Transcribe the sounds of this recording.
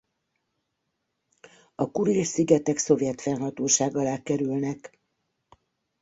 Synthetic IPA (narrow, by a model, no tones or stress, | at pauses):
ɒkuɾisiɡɛt̪ɛkso̞vjɛt̪fɛnɦɒt̪oːʃaːɡɒlaːkɛɾylnɛk